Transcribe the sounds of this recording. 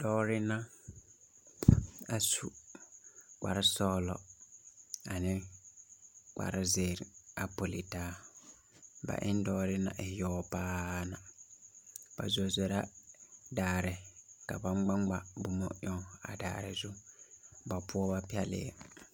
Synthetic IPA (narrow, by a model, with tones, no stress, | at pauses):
d̥ɔː˦ɾɪ˦na˦ | a˨su˨ | k͡pa̰˨ɾa˦sɔː˦lɔ̰˨ | a˨nɪ˦ | k͡pa̰˨ɾa˦zeː˨ɾa˨po˨li˨taː˦ | ba̰˨ʔɪ˦n˦dɔː˦ɾɪ˦na̰˨ʔɪ˨jɔː˦paː˦na˨ | b̥a̰˨zɔ˨ze˨ɾa˦daː˨ɾɪ˨ka˨ba˦ŋ͡mɡ͡ba˦ŋ͡mɡ͡ba˨bʊ˨mɔ˦ɲɔ˦a̰˨da̰ː˨ɾɪ̰˨zʊ˦ | ba˨pʰʊ˦ɔ˦ba˦pi˦ɛ˦lɪ̰˦ɛ˨